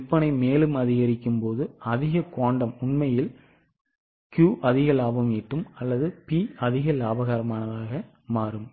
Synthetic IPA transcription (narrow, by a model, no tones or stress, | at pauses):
ɪpːɐnɐɪmeːlɯmɐðɪɣɐɾɪkːɯmpoːðɯɐðɪɣɐkoːɳɖɐmʊɳmɐjɪl | kjuːʔɐðɪɣɐlaːbɐmiʈːɯmɐlːɐðɯpiɐðɪɣɐlaːbɐɣaːɾɐmaːnɐðaːɣɐ | maːɾɯm